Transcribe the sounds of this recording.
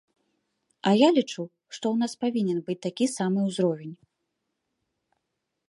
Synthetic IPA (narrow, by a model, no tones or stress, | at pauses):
ɐjalʲit͡ʂu | ʂt̪ɔwnaspavʲinʲɛnbɨt͡sʲt̪akʲisamɨwzɾɔvʲɛnʲ